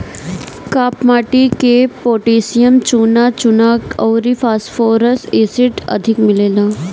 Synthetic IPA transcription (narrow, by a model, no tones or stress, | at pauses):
kaːpmaːʈikepoːʈiːsijəmt͡ʃuːnat͡ʃʊnakɔːɾifaːsfoːɾəseːsɪʈɐ̰d̪ʱɪkmɪleːlaː